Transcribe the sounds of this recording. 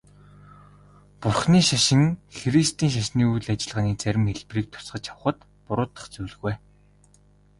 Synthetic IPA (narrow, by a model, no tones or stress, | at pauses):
pʊrχniːʃaʃɪ̆ŋxeɾist̪ʰiːŋʃ̬aʃniːujɮat͡ɕɪ̆ɮʁaːniːt͡sæɾʲɪ̆mxeɮpriːk̚t̪ʰʊ̥sɢə̆t͡ɕaw̆χə̆t̪ | pʊɾʊːt̪ə̥̆χt͡suːɮ̆ɣuj